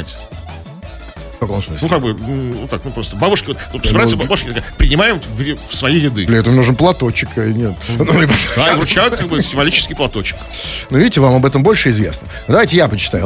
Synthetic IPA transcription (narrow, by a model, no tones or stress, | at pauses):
tʲ | fkɐko̞msmɨslnukaɡ̚bɨnut̪aknupɾost̪əbabʊʂkʲɪvot̪sbɾasəbbabʊʂkʲt̪ɐkapɾʲɪnʲɪmajɪmvɾʲɪfsvɐjijɾʲɪd̪ɨ̰d̪lʲɪɛt̪əvəmnuʐɨnplˠɐt̪o̞t͡ɕːɪknʲet̪nomɪpɐt̪aivɾʊt͡ɕajʊt̪kaɡbɨsʲɪmɱvɐlʲit͡ɕɪ̥skʲɪjplˠɐt̪ot͡ɕːɪ̥knuvʲidʲɪtʲɪvamɐbɛt̪əmbo̞lʲʂɨɪzvʲe̞̰snənd̪ɐvajtʲɪjapət͡ɕɪ̥t̪a̰jʊ